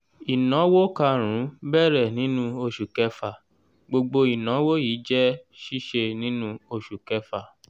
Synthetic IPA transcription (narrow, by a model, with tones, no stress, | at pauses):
i˨nɔ̃˨˦wo˦ka˧ɾ̃ũ˨˦bɛ˦˨ɾɛ˦˨nĩ˨˦nũ˦o˧ʃu˨kɛ˧fa˨ | ɡ͡bo˧ɡ͡bo˧i˨nɔ̃˨˦wo˦jiː˨˦d͡ʒɛ˦ʃi˦ʃe˧nĩ˦nũ˦o˧ʃu˨kɛ˧fa˨